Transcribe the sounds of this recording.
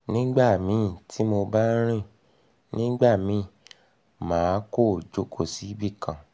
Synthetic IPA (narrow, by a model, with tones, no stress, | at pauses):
nĩ˦ɡ͡ba˦˨mĩ˨˦tʰi˨˦mo˧ba˦ɾ̃ĩ˦˨ | nĩ˦ɡ͡ba˦˨mĩ˨˧˦ | mãː˨˦ko˦˨d͡ʒo˨˦kʰo˦˨si˨˦bi˦˨kã˨